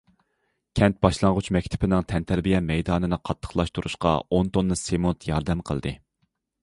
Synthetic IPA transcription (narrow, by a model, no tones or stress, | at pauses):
kʲʰɛnt̪̚b̥ɑʃlˠɑŋʁut͡ʃmɛkʲt̪ʰɪ̥pʰɪnɪŋt̪ʰɛnt̪ʰæɾbijɛmɛjd̪ɑːnɨnɨqʰɑt̪ʰːə̥χlˠɑʃt̪uɾṵʃqɑ̰ont̪onːɨsemot̪ʰjɑɾd̪ɛmqʰəlˠd̪ɨ